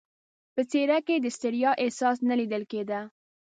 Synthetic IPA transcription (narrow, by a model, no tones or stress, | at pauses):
pət͡seɾaked̪əst̪ɪɾjɑʔɪhsɑsnalid̪əlked̪a